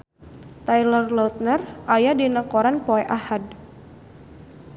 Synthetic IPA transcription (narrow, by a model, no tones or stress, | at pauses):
t̪ajlərlɔut̪̚nərʔajadinakoɾanpoɛʔahad̚